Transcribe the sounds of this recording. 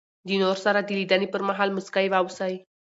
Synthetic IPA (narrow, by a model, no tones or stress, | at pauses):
d̪inoɾsaɾad̪ilid̪anipəɾmaɦalməskajʋawsaj